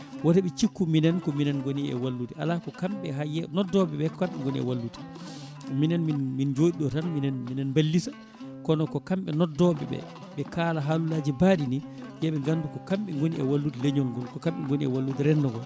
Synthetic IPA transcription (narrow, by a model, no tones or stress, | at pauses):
watɛɓɛt͡ʃikːuminɛnkɔminɛnɡoniɛ̰walːutiʔa̰lakɔkamɓɛɦajɛnɔdɔɓɛɓɛkɔkamɓɛŋɡoniɛ̰walːuti̥ | minɛnminmind͡ʒoːɗiɗɔtanminɛnminɛnmbalːisa | kɔnɔkɔkamɓɛnɔdɔbɛ̰ɓɛ̰ | ɓɛkalaɦalulaːd͡ʒibadini | jɛɓɛŋɡandukɔkamɓɛŋɡoniɛ̰walːutileɲɔŋɡɔlkɔkamɓɛŋɡoniɛ̰walːutiɾɛndɔŋɡɔl